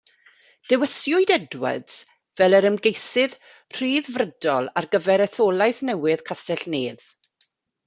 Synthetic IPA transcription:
d̥ɛwəsjʊɨdɛdwə̰dz̥ | vɛləɾəmɡejsɪð | r̥iːðvrədɔlˠarɡəvɛɾɛθoːlˠajθnɛwɪðkʰastɛɬneːð

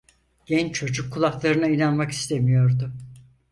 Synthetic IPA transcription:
ɟ̥ɛnt͡ʃʰo̞d͡ʒukʰːulˠaklˠaɾɯnainanmaki̥st̪ʰemijo̞ɾd̪ʊ

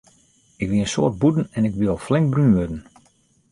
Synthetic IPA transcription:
ɪkʋiənsoːrt̚budn̩ɛnɪkʋilˠflɪŋkbrynʋødən̩

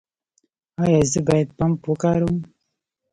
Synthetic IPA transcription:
ajazibat̚pampukaɾum

